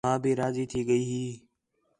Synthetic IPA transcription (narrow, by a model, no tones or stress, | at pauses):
ãːbiːɾaːziːt̪ʰiːɠəiːɦiː